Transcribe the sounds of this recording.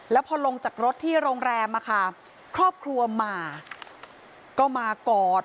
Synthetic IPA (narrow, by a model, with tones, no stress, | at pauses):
lɛː˦˥wpʰɔː˧lo˧ŋt͡ɕaː˨˩k̚ɾo˦˥t̪ʰːiː˥˩ɾoː˧ŋɾɛː˧mʔa˧kʰa˥˩ | kʰɾɔː˥˩p̚kʰɾu˧ɐmaː˧ | kɔː˥˩maː˧kɔː˨˩t̪̚